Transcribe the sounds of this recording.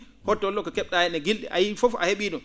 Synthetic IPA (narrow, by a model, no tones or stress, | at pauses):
hɔtːɔlːɔkɔkɛɓɗajɛnɛɡilɗɛ̰ʔa̰jifɔfa̰heɓiːɗɔm